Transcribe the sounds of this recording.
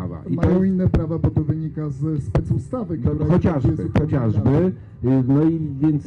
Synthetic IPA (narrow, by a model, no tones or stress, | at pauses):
va̰ʔimajɔ̃w̃inːɛpɾavabɔt̪ɔvɘɲikazspɛt̪sust̪avɘk̪ɾxɔt͡ɕaʐbɘxɔt͡ɕaʐbɘ | nɔivʲjɛnt̪s